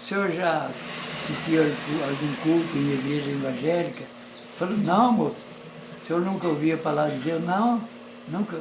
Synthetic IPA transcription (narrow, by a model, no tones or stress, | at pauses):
seeʒasit̪iakualɡũkult̪uẽnd̪eɡeʒẽĩvɐ̃ʒɛlikɐ | falonɐ̃w̃mos | sewnũkɐoviɐpalad̪izelnɐ̃w̃ | nũkɐ